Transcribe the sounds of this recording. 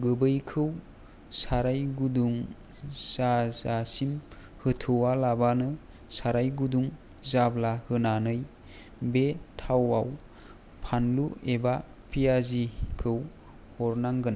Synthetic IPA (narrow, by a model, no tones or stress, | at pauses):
ɡɯbɯjkʰɯw | saɾajɡuduŋ | z̥azasim | hɯtʰɯwalabanɯ | saɾajɡuduŋ | zablahɯnanɯj | betʰawaw | pʰanlueba | pʰijazikʰɯw | hɔɾnaŋɡɯna